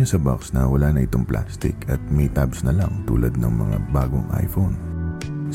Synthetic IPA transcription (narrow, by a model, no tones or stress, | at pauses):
osɐbɐksnɐwɐlanɐʔɪt̪oŋplʔa̰ːst̪ɪ̰kʰɐt̪̚mit̪absnɐlɐŋt̪ṵːlɐd̪̚nɐŋmɐŋa̰ba̰ːɡoŋʔa̰jfon